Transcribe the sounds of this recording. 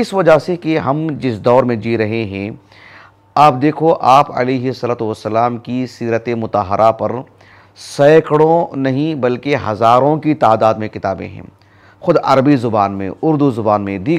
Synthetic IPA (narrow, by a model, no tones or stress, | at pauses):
ɪsʋɐd͡ʒasekeɦɐmd͡ʒɪsd̪ɔːɾmẽd͡ʒiːɾɐɦeɦɛ̃ | aːp̚d̪eːkʰoʔaːpɐ̰leːɦɪsɐlaːt̪uʋɐsːɐlaːmkisiːɾət̪emʊt̪aɦəɾʔapɐɾ | sɐːkɽõnɐɦĩbɐlkeɦɐzaːɾõkit̪aːd̪aːd̪mẽkɪt̪aːbḛ̃ɦɛ̰̃ | xʊd̪ɐ̰ɾəbizʊbaːnmḛ̃ʊɾd̪uzʊbaːnmẽd̪iː